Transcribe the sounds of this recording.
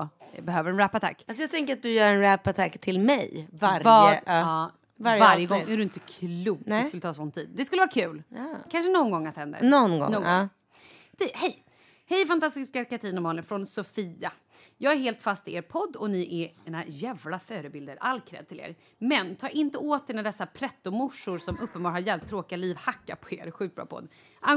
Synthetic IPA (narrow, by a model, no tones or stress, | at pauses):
bɛɦøːvəɾɛnɾɛpːat̪ʰa̰kːalsɔjaɡ̚t̪ʰɛŋkəɾat̪̚d̪ɵjœːɾɛnɾɛpːat̪ʰakːt̪ʰɪlmɛjvaɾvɑːd̪ɑː | vaɾjvaɾjəɡɔŋːædɵɪnt̪əkʰluɡ̪ɛskɵlːət̪ʰɑːsɔnt̪ʰḭːd̪̚d̪ɛskɵləvɑːakʰʉ̟ːlːkʰanʂənɔnɡɔŋːat̪hɛnd̪ə̰nɔnɡɔ̰nɔ | t̪ɛhɛj | hɛjfant̪ast̪ɪskaɾkaʈʰiːnʊmɑːnəfɾɔnsʊfiːa | jɑːɡæɾheːlt̪fast̪ɪeːɾpʰɔd̪ːɔnɪʔɛɛnajæːvlafœːɾəbɪld̪əɾʔalːkʰɾɛ̰ːd̪̚t̪ʰɪlḛːɾ | mɛnt̪ʰɑːɾʔɪnt̪əoːt̪̚d̪eːnaɖɛsːapʰɾɛt̪ːʊmʊʂʊɾsɔmɵpːənbɑːɾhaɾjɛlp̚t̪ʰːɾoːkɪaliːvhakːapʰɔḛːɾɧiːt̪̚bɾɑ̰ːpʰɔ̰d̪ː | ʔa